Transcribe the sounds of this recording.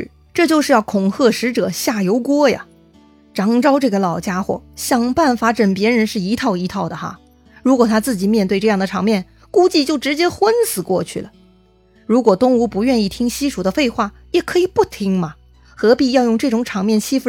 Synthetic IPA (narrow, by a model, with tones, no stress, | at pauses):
ʈ͡ʂɤ˥˧t͡ɕjo˥˧ʊʂɻ̩˥˧jɑ˥˩ʊkʰʊ˨˩ŋxɤ˥˩ʂɻ̩˧˥ʈ͡ʂɤ˨˩ɕja˥˩jo˧˥ʊkwɔ˥jɐ̰˨˩ | ʈ͡ʂɑ˧˥ŋʈ͡ʂɑ˥ʊʈ͡ʂɤ˥˩ɡə˩lɑ˨˩ʊt͡ɕja˥xwɔ̰˥˩ɕjɑ˨˩ŋpa˥˩nfa˧˥ʈ͡ʂə˨˩npjɛ˧˥ɻə˧˥nʂɻ̩˥˩i˧˥t̪ʰɑ˥˩ʊi˧˥t̪ʰɑ˥˩ʊd̪ə˩xa̰˧ | ɻu˧˥kwɔ˨˩t̪ʰa˥t͡sɹ̩˥˩t͡ɕi˨˩mʲjɛ˥˧nt̪we˥˧ɪʈ͡ʂɤ˥˧jɑ˥˩ŋd̪ə˩ʈ͡ʂʰɑ˧˥ŋmjɛ˥˩n | ku˥t͡ɕi˥˧t͡ɕjo˥˩ʊʈ͡ʂɻ̩˧˥t͡ɕjɛ˥xwə˥nsɹ̩˨˩kwɔ̰˥˧t͡ɕʰy̰˥˩lə˩ | ɻu˧˥kwɔ˨˩t̪ʊ˥ŋu˧˥pu˧˥ɥɛ˥˧ni˥˩t̪ʰi˥ŋɕi˥ʂu˨˩d̪ə˦fe˥˧ɪxwa˥˩ | jɛ˨˩kʰɤ˧˥i˨˩pu˥˩t̪ʰi˧˥ŋmɐ˨ | xɤ˧˥pi˥˧jɑ˥˧ʊjʊ˥˧ŋʈ͡ʂɤ˥˩ʈ͡ʂʊ˧˥ŋʈ͡ʂʰɑ˧˥ŋmjɛ˥˩nt͡ɕʰi˥fu˧